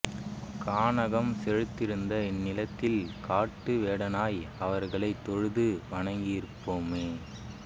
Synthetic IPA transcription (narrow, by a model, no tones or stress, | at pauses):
kaːɳɐɣɐmsɛɻɯt̪ːɪɾɯnd̪ɐɪnːɪlɐt̪ːɪlkaːʈːɯʋeːɽɐnaːjɐʋɐɾɣɐɭɐɪt̪ːɔɻɯðɯʋɐɳɐŋɡɪjɪɾpːoːmeː